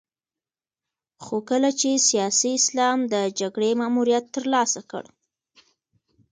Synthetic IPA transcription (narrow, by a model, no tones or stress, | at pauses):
xokəlat͡ʃesijɑsiɪslɑmd̪əd͡ʒaɡɽemɑmuɾijat̪ːəɾlɑsakə̰ɽ